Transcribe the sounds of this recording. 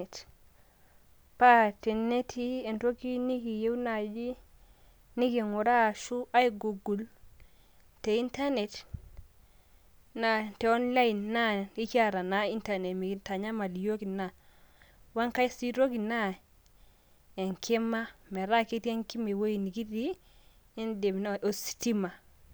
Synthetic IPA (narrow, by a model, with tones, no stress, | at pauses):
t | pa˦te˨ne˦tʰi˦e˨nɾo˦ki˦ni˦ki˨je˦wna˨d͡ʒi˦ | ni˦ki˨ŋu˨ɾa˦˨ʃu˦ʔa˦jiɡu˨ɡu˨l | te˨i˦nta˦ne˨t | na˦te˨o˦nla˦ji˨nːa˦i˦t͡ʃa˦ɾa˨na˨i˦nta˨ne˨tmi˨ki˨ta˨ɲa˦ma˨li˨jo˦ki˨na˦˨ | wa˦ŋka˦i˦si˦ɾo˦ki˨na˦ | e˨ŋkʰi˦ma˦me˨ɾa˦ki˦ti˦e˦ŋki˦me˨wo˦i˨ni˨ki˦di˦ | e˦nde˨m˨n˨o˨si̥˨ti˦ma˨